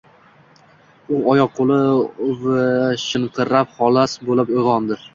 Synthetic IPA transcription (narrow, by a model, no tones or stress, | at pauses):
ʊɒjɒqqʰːolˠɪvaʃɪɴqʰɨɾap̚χɒlˠasbolɪpojʁɒnd̪ɪɾ